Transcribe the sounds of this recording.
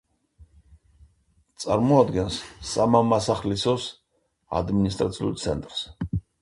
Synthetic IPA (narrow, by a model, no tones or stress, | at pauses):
t̪sʼaɾmɔad̪ɡɛnsːamamasaχlisɔs | a̰d̪minis̬t̪ʼɾat̪sʰiṵɾt̪sʰɛ̰nt̪ʼɾs